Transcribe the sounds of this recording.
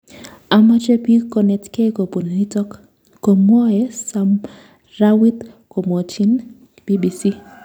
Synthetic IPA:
a˨ma˦t͡ʃe˦pi˦ko˨nɛ˨tke˦ko˨po˨n˨li˦tɔ˦kː | o˨mɔ˦ɛ˦sa˦m | ra˦wi˦t̪ | ko˨mɔ˨t͡ʃi˦n | b̥i˦bi˨si˦

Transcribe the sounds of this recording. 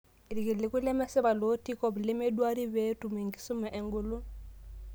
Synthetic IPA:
ɾi˨ki˨lɪ˨ku˦lɛ˦mɛ˦sɛ˦βa˨lo˦ti˦kɔ˦blɪ˦me˦dwa˦ɾi˦βe˦tu˨me˨ŋɡi˦su˦mɛ˨ʔɛ˨ŋɡu˦lu˦

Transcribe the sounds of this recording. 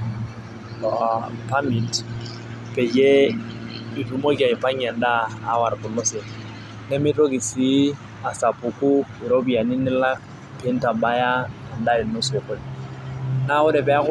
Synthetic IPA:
apa˦mi˨t | pɛ˨d͡ʒɛ˦ | i˨lu˨˦mo˦ki˦a˨ɪ˨pa˦ɲɛ˨n˦daː˦˨˦wa˨ɾpʊ˨nʊ˦sɛ˨ | nɛ˦mɪ˦to˦kɪ˨si˦ | a˨sa˨pu˨kʊ˦ɪ˨ɾo˦bi˨a˨nɪ˦nɪ˦la˦k | pɛ˦n˦ta˨ba˦ja˦ | a˨nda˦˨i˨no˦sɛ˨kʊ˦lɛ˨ | na˦ʊ˦dɛ˨pɛ˨˦a˦kʊ˦

